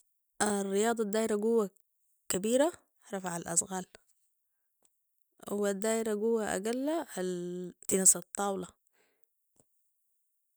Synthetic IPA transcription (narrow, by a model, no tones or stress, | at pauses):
ʔarːɪjɑːd̪ˤɑd̪ːaːjɾaɡuwːa | kabiːɾa | ɾˤɑfaʕalʔa̰sɣaːl | hwad̪ːaːʔɾaɡʊwːaʔa̰ɡalːahalt̪inasˤɑt̪ˤːɑːwlɑ